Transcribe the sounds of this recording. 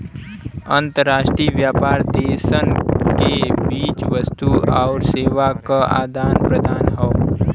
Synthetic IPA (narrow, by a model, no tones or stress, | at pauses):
ə̃nt̪əɾːaːʃʈɾiːʋjaːpaːɾd̪eːsənkebiːt͡ʃʋəst̪uɔːɾseːʋakaa̰ːd̪ʱaːnpɾəd̪ʱaːnɦɔ